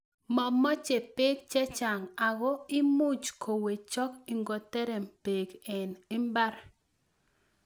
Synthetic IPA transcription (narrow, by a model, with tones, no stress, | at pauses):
mɔ˨mːɔ˦t͡ʃe˨pe˦k̚t͡ʃɛ˦t͡ʃa˨ŋa˨ɡɔ˦ɪ˦mu˦t͡ʃkʰo˨we˨t͡ʃɔ˦ki˨ŋɡɔ˨tɛ˦ɾɛ˨mpe˨ɡɛ˨nɪ˦mba˦ɾ